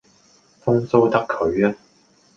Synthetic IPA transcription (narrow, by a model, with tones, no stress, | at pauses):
fʊ˥ŋso˥wt̪ɐ˥kʰːɵ˨ɥɐː˦˥